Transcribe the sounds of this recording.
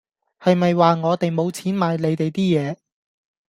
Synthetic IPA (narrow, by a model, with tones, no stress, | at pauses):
hɐ˨jmɐ˨jwaː˨ŋɔː˨˧t̪e˨jmo˨˧wt͡sʰiː˨˥nmaː˨˧jle˨˧jt̪e˨jt̪iː˥jɛː˨˧